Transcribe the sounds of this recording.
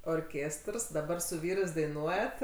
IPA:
oːrʲˈkʲeːstrs dɐˈbɐr sʊ ˈʋʲiːrɜs dɐɪˈnuɔjɛt

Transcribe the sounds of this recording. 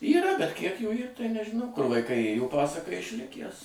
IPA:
iːˈrɐ bʲɛt kʲiɛk juː ˈiːr tɐɪ nʲɛʒʲɪˈnɐʊ kʊr ʋɐɪˈkɐɪ ˈeːjoː ˈpɑːsɐkɐ ɪʃʲˈlʲɪkʲæs

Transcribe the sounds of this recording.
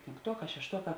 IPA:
pʲeːŋkˈtuɔˌkɑː ʃʲɛʃˈtuɔˌkɑː

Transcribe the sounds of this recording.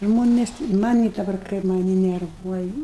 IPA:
ˈʒmoːnʲeːs mɐˈnʲiː dɐˈbɐr ˈkɐɪp mɐˈnʲiː nʲɛrˈʋuɔj

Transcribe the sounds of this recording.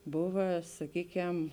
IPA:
ˈboːʋɐ sɐˈkʲiːˌkʲɛm

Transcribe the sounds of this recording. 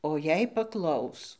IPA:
oː jɛɪ pɐˈklˠɐʊs

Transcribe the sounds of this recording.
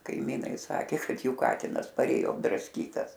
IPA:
kɐɪˈmʲiːnɐɪ ˈsɑːkʲeː ˈkɐt ˈjuː ˈkɑːtʲɪnɐs pɐrʲˈeːjoː ɐbdrɐsʲˈkʲiːtɐs

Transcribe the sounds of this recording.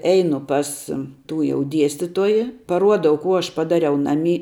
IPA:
ˈɛɪnʊ ˈpɐs ˈtuː jɛʊ ˈdʲiɛsʲtʲɪtuɔjɪ pɐˈruɔdɐʊ ˈkuː ˈɐʃ pɐˈdɑːrʲɛʊ ˈnɑːˌmʲiː

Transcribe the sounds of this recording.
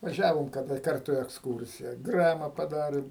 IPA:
ʋɐˈʒʲæːʋoːm kɐˈdɐ ˈkɐrtʊ ɪ ɛksˈkuːrʲsʲɪjɛ ˈɡrɑːmɐ pɐˈdɑːrʲeːm

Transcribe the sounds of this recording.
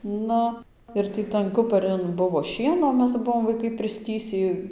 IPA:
ˈnʊ ɪr ˈtʲiː tɐn ˈkʊpɐrʲɪn ˈbʊʋoː ˈʃʲiɛnoː ˈmʲɛs ˈbʊʋoːm ʋɐɪˈkɐɪ pʲrʲɪsʲˈtʲiːsʲiː

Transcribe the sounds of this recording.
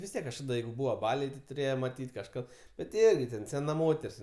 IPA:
ʋʲɪs ˈtʲiɛk kɐʃˈkɑːdɐ ˈjɛɪɡʊ ˈbuːʋɐ ˈbɑːlʲɛɪ tʲɪ tʊˈrʲeːjɛ mɐˈtʲiːtʲ kɐʃˈkɐt ˈbʲɛt tʲɪ ˈɪrʲɡʲɪ tʲɛn sʲɛˈnɐ ˈmoːtʲɛrʲsʲ

